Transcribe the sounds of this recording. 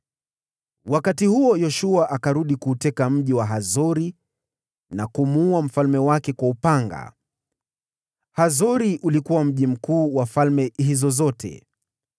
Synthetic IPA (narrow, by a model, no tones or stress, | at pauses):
wakatihuɔjɔʃuaʔakaɾuɗikuːtɛkam̩ʄiwaɦazɔɾi | nakumuːam̩falmɛwakɛkwaupaŋɡa̰ | hazɔɾiʔulikuwam̩ʄim̩kuːwafalmɛɦizɔzɔtʰɛ̰